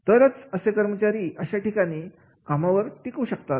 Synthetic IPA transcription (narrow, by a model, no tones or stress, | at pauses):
t̪əɾət͡səsekəɾmət͡ɕaɾiːʔəɕaʈikaɽ̃iː | kamaʋəɾʈikuːɕəkt̪at̪